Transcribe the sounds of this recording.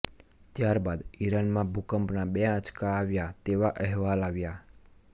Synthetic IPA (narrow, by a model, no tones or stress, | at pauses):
t̪jaɾbad̪iɾanmãbʱukəmpnabɛãt͡ʃkaːʋjat̪eʋaʔɛɦʋalaʋja